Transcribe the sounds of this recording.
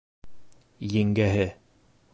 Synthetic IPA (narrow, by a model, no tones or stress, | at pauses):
jɘ̆ŋɡæɦɘ